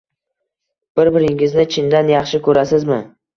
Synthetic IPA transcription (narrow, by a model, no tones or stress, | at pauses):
b̥ɪɾbɪɾɪŋɪznɪt͡ʃʰɪnd̪anjɑχʃɪkʰɵɾasɪzmɪ